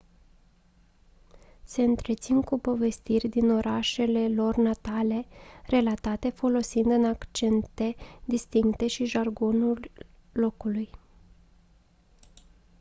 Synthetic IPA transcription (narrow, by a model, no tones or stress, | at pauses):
se̞ɨnt̪ɾe̞t̪sinkupo̞ve̞st̪irʲd̪ino̞ɾʔaʃe̞le̞lo̞rnat̪ale̞re̞lat̪at̪e̞fo̞lo̞sind̪ɨnakt͡ʃe̞nt̪e̞d̪ist̪iŋkt̪e̞ʃiʒarɡo̞nulː | o̞kuluj